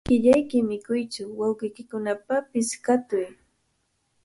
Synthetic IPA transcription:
kɪʎajkɪmɪkʊjt͡ʃʊwawɢɪjkɪkʊnapapɪskat̪ʊj

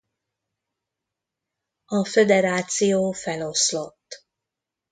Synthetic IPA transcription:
ɒfed̪ɛɾaːt̪sijoːfɛlo̞slo̞t̪ː

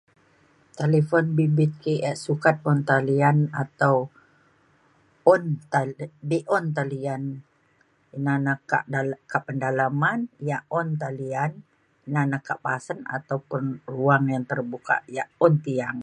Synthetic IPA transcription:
t̪elefɔnbibit̪̚keʔɛʔsukat̪̚ɔnt̪alianat̪aw | ɔnt̪abeʔɔnt̪alian | inanaka̰ʔakaʔpəndalamanjaʔɔnt̪̬alian | inanakaʔpasəna̰t̪awpʊnruaŋjaŋt̪ərbuka̰ʔjaʔɔnt̪iaŋ

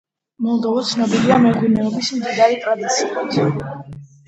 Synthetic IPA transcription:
mɔlˠd̪ɔvɔt̪sʰnɔbiliamɛɡwinɛɔbismd̪id̪aɾit̪ʼɾad̪it̪sʰiu

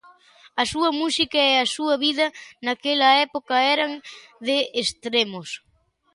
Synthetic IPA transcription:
ɐsuɐmusikɐeasuɐβið̞ɐnakelɐɛpokɐɛɾaŋðeest̪ɾemos

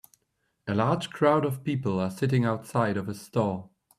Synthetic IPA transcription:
əlɑɹd̥d͡ʒʒ̥kʰɹ̥aʊɾʌv̥pipəl̩ˠə˞sɪɾɪ̃ŋaʊtsaɪɾʌvəstɔɹ

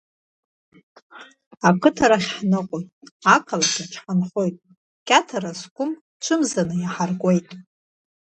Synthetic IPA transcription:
akʰɨtʰaɾaχʲħnɨqʼojʼakʰalaɡʰat͡ʃʰħanχojtʼ | kʲʼatʰaɾaskʷʊm | t͡ʃʷʰɨmzanɨjaħarkʼe̞jtʼ

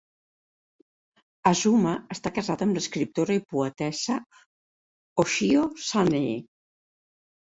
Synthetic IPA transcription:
azuməəst̪akəzaðəmləskɾip̚t̪oɾəipuət̪ɛsə | oʃiosanee

